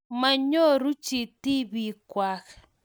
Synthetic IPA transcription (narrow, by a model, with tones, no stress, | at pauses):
ma˨ɲo˦ɾu˦t͡ʃi˨ti˦βi˦˨kwa˦ɣ